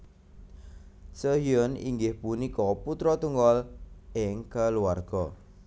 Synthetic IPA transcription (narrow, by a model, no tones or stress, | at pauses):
səɦjʊnḭŋɡɪhpunikɔput̪ɾɔt̪uŋɡɔlɪŋkəluarɡ̥ɔ̰